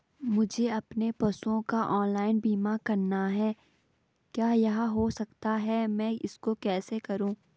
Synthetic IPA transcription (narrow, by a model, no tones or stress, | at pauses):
mʊd͡ʒʱeɐpnepɐsõkaʔɔːnlaːɪnbiːmakɐɾnaɦɛː | kjaːjɐɦãɦosɐkt̪aɦɛmɛ̃ːɪskokɛːsekɐɾũː